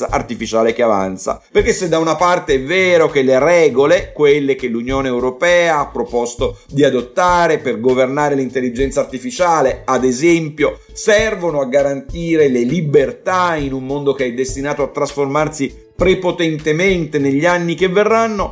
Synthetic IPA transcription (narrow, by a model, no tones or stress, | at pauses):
aʔa̰rt̪ifit͡ʃaːlekeava̰nt̪sa̰perkesːed̪ːaunapart̪eɛvːɛːɾok̟elːeɾɛːɡolekwelːek̟elːunjoːneːwɾopɛːaapːɾopɔst̪od̪iad̪ot̪ːaːɾeperɡovernaːɾelint̪elːid͡ʒɛnt̪saːrt̪ifit͡ʃaːlead̪ezɛmpjo | sɛrvonoaɡːaɾant̪iːɾelelibert̪ainummond̪ok̟eɛd̪est̪inaːt̪oat̪ːɾasformarsi | pɾepot̪ɛnt̪ement̪eneʎːanːikevːerːanːo